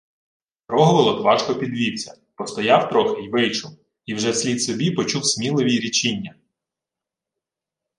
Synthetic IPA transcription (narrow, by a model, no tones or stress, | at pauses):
pɾɔɦɔʋelˠɔk̪ʋɑʃkɔpʲid̪ʋʲiwʲt͡sʲɐ | pɔst̪ɔjɑwt̪ɾɔxɪjʋɪjt͡ʃʊw | iwʒɛsʲlʲid̪sɔbʲipɔt͡ʃuwsʲmʲilˠɪʋʲiɾʲit͡ʃinʲːɐ